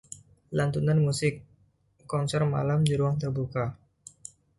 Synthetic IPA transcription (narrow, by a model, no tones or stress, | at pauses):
lant̪unanmusɪkː | ɔnsɛrma̰lamd͡ʒiɾuaŋt̪ərbuka